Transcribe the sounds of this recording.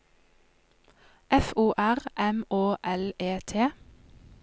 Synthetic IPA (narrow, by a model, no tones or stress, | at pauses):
ʔɛfuːʔæʁʔɛmoːʔɛleːt̪ʰeː